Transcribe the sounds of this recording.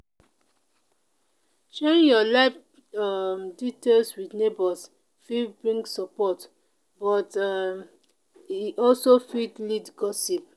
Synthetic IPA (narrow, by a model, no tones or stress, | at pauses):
ʃɛɹĩjɔlaɪf | amditelswidnebɔs | fibɹĩŋɡsɔpɔt | bɔtam | iʔɔlsofidlidɡɔsip̚